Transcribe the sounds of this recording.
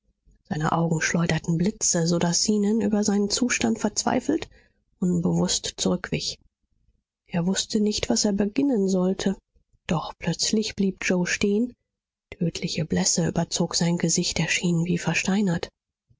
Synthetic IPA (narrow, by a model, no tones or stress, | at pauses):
z̥aɪnə̰ʔaʊɡŋ̩ʃlɔʏdɐtn̩blɪt͡səzoːdasiːnənʔy̰ːbɐzaɪnənt͡suːʃtantfɛɐt͡sv̥a̰ɪfl̩t | ʔʊnbəvʊstt͡suʁʏkv̥ɪç | ʔeːɐvʊstənɪçtv̥aseːɐbəɡɪnənzɔltʰə | d̥ɔχpʰlœt͡slɪçb̥liːp̚d͡ʒoʊʃteːən | tʰøːtʰlɪçəblɛsəyːbɐt͡soːkz̥aɪnɡəzɪçtɛɐʃiːnviːfɛɐʃtaɪnɐt